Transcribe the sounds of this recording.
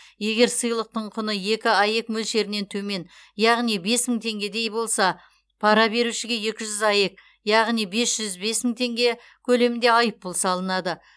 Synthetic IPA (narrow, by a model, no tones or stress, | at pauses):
je̞ɡʲe̞ɾsəjlˠəq̚t̪əɴqʰʊnəje̞kʲɪɑje̞kmɵlʃe̞ɾɪne̞nt̪ʰɵme̞n | jɑʁnijbe̞sməŋt̪ʰe̞ŋɡʲe̞d̪e̞jbo̞lˠsɑ | pʰɑɾɑbe̞ɾuʃɪɡʲe̞je̞kʲɪʒʏzɑje̞k̚ | jɑʁnijbe̞sʒ̥ʏzbe̞sməŋt̪ʰe̞ŋɡʲe̞ | kʲʰɵle̞mɪnd̪e̞ɑjəp̚bolˠsɑlˠənɑd̪ə